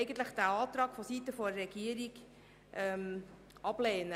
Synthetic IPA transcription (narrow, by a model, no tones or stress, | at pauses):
ɪɡən̩tləχd̥æɑːt̪ɾɑːɡ̥fɔsitəfɔɾɛɡiəɾiɡ | ʔɛm | ʔɑb̥leːnə